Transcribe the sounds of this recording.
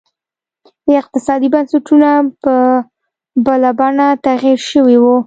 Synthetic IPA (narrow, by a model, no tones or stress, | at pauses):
d̪əɪq̚t̪ɪsɑd̪ibansaʈunapə | balabɑnat̪aɣiɾʃəwewu